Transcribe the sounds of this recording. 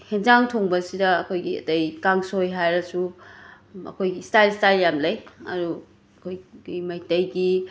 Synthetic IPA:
henzaŋtʰoŋbɐsidɐːkʰojɡiɐ̰tɐjkaŋsojɦajɾɐsu | ɐ̰kʰojɡistajlstajljamlɐjɐ̰ɾu | ɐkʰojɡimɐjtɐjɡi

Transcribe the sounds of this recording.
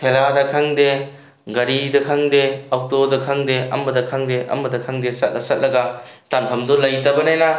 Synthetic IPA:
tʰeladɐkʰaŋde | ɡɐɾidɐkʰɐŋdeak̚todɐkʰɐŋdeɐ̰mbɐdɐkʰaŋdeʔɐ̰mbɐdɐkʰaŋdesɐt̚lʔɐsɐt̚lɐɡɐtanpʰɐmdɔlɐjtɐbɐnajnɐ

